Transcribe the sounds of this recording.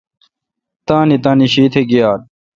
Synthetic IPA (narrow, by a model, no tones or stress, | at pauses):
t̪ãːnit̪ãːniɕiːt̪ʰeɡijaːd̪̚